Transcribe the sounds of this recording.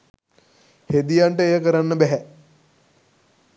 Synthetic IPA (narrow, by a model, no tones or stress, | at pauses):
hed̪ijaɳʈəejəkəɾanːəbæɦæ